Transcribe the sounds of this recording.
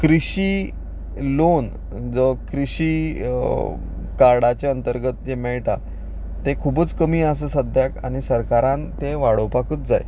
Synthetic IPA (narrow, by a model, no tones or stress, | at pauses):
kɾiɕi | lon | d͡zəkɾiɕi | kaɾɽat͡ɕeənt̪əɾɡət̪̚d͡ʑemɛɭʈa | t̪ekʰubət͡skəmiːas̬əsəd̪ʱjakaɽ̃isəɾkaɾãnt̪eʋaɽ̤opakət̪d͡zaj